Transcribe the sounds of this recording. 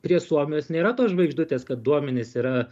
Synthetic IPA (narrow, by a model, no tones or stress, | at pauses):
pʲɾʲiɛsuɔmʲɪjoːsnʲeːɾɐt̪oːsʒʋɐɪɡʒd̪ʊt̪ʲeːskɐt̪̚d̪uɔmʲɛnʲɪsiːɾɐ